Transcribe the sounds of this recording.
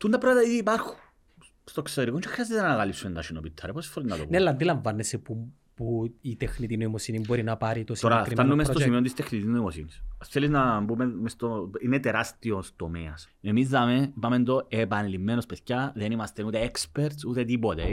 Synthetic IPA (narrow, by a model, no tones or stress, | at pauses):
t̪und̪ɐpɾɐt̪ɐiðiːpɐɾxun | st̪okseɾikot͡ʃexɾiazet̪enɐɐɣalipsumnd̪ɐʃinopit̪ʰːɐɾeɐposi̥foɾinnɐt̪opunelːɐnd̪ilɐɱvɐnːesepu | puit̪exnit̪inoimosinimbo̞ɾinɐpɐɾit̪osoɾaɾft̪anːumest̪osimiont̪ist̪exnit̪iznoimosinisɐsθeliznɐmbumemest̪oinet̪eɾast̪iost̪omeɐs | emizðɐmepamend̪oepanlimːenospeθcɐðenimɐst̪enut̪eekspeɾt̪sut̪et̪ipot̪e